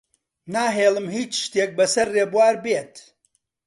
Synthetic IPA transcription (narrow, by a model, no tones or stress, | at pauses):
naːɦeːlˠɨmɦiːt͡ʃʃt̪eːk̚bɐsɐɾreːbwaːɾbeːt̪